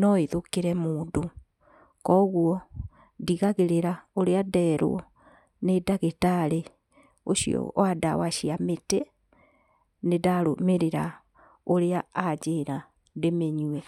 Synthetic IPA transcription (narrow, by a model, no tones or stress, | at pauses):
nɔeðokeɾɛmoːndo | kɔɣwɔ | diɣaɣeɾeɾaoɾeadɛːɾo̰ | nedaɣetaɾe | oɕiɔ̰ada̰waʃiamete | nedaɾo̰meɾeɾa | oɾeaːd͡ʑeɾa | ndemeɲwɛ